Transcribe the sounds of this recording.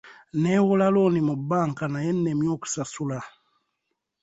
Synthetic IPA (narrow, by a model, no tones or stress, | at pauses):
newulalonimubaːŋkanajenːemjoku̥sasula